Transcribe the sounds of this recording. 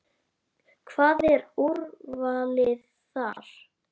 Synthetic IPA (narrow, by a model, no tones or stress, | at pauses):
kʰvaːðɛɾuɾvaːlɪð | θaɾ̥